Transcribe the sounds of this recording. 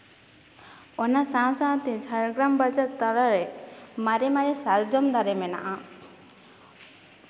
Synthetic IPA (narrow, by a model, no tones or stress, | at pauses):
ɔnasãw̃sãt̪ed͡ʒʱaɾɡɾambad͡ʒat̪ːaɾaɾɛmaɾemaɾesaɾd͡ʒɔmd̪aɾemɛna̰ʔa